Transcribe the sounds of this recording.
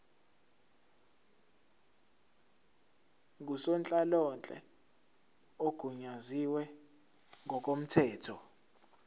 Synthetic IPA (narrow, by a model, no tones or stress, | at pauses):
ŋʱusɔnt͡ɬʼalɔnt͡ɬʼɛ̰ | oɡ̥ʱuɲaziwɛ | ŋʱɔkʼom̩tʰɛːtʰɔ